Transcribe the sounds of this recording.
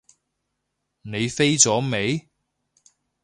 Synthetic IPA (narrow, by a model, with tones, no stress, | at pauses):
ne˨˧jfe˥jt͡sɔː˨˥me˨˧j